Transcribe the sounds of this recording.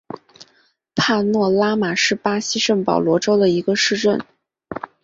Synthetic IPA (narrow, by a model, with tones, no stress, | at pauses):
pʰa˥˧nwɔ˥˩la˥ma˨˩ʂɻ̩˥˩pa˥ɕi˥ʂə˥˩ŋpɑ˨˩ʊlwɔ˧˥ʈ͡ʂo˥ʊd̪ə˨i˧˥ɡə˧ʂɻ̩˥˧ʈ͡ʂə˥˩n